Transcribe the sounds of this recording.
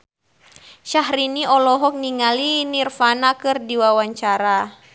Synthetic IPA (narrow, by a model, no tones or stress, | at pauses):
ʃaɦɾiniɔlɔɦɔk̚niŋalinirfanakɨrdiwawaɲt͡ʃaɾa